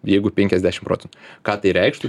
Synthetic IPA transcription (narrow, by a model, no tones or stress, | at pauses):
jɛɪɡʊpʲɛŋʲkʲɛzʲd̪ʲæːʃɪmpɾoːtt͡sʲɛnt̪ʊkɑːt̪ɐɪɾʲɛɪkʃt̪ʊ